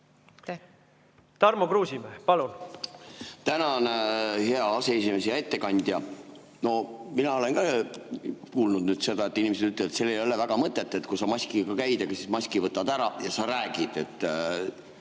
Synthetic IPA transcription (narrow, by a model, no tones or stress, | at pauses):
t̪ɑrmokruːsimehpɑlun | t̪ænɑonhe̞ɑɑseesime̞sejɑet̪ːe̞kɑnʲd̪̥jɑ | no̞minɑo̞le̞nkɑ | kuːlnud̪nyːd̪̥se̞d̪̥ɑe̞t̪ˑːinʲimesed̪yt̪ːˑle̥et̪selːejo̞levæɡ̥ɑmɤt̪ːˑet̪ːˑet̪ːkusɑmɑsʲkiɡ̥ɑkæjd̪eɡ̥ɑsismɑsʲkivɤt̪ːˑɑd̪æɾɑjɑsɑɾæːɡ̥id̪̥e̞t̪ˑː